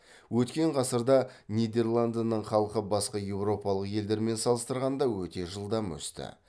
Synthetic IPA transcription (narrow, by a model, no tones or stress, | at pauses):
wɵt̪kʲe̞ɴqʰɑsəɾd̪ɑnʲijd̪e̞rlˠand̪nəɴχɑlˠəqəbɑsqɑje̞wɾo̞pɑlˠəqje̞ld̪e̞ɾme̞nsɑlˠəst̪əɾʁɑnd̪ɑwɵt̪e̞ʒəlˠd̪ɑmwɵ̰st̪ɪ̰